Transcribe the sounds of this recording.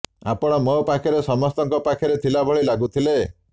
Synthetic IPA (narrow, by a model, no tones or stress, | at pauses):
a̰pɔɽ̃ɔmɔpakʰiɾesɔmɔst̪ɔŋkɔpakʰɔɾet̪ʰilabʱɔɭilaɡut̪ʰile